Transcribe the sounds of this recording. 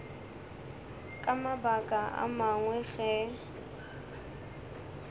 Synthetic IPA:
kʼamabakʼaa̰maŋwɛɣɛ

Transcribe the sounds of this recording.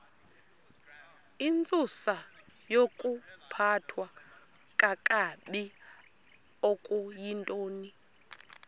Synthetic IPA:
int͡sʼusa | jokʼupʰatʰwa | kʼakʼaɓi | okʼujintʼoːni

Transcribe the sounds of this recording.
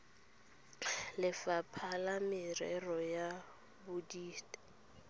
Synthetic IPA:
lɪfapʰalamɪrɛrɔja | bʊdiːtʼḁ

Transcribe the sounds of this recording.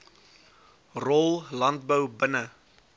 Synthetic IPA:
rɔlˠlɐnt̚bəwbənə

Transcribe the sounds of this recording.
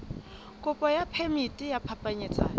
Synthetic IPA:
kʼʊpʼɔjapʰemitʼijapʰapʼaɲɪt͡sʼa̰ːjɔ

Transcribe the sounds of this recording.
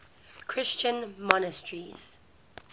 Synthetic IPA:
kʰɹɪst͡ʃə̃nmɔnəstʰɹiz̥

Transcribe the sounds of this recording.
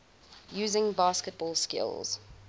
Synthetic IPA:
jʉːzɪ̃ŋbɑːˑskət̚b̥ɔːlˠskɪ̰lˠz̥

